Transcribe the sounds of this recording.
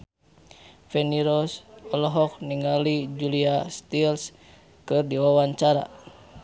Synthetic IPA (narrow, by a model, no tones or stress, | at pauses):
fɛniɾɔsɔlɔɦɔk̚niŋalid͡ʒuliast̪ils | kɨrdiwawaɲt͡ʃaɾa̰